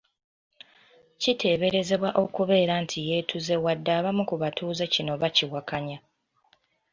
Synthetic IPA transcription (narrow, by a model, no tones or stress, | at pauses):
citʰe̞ːβe̞ɾe̞ze̞βwaʔo̞kuβe̞ːɾaːntʰije̞ːtʰuze̞wadːaːβamukuβatʰuːzecino̞βaciwakaɲa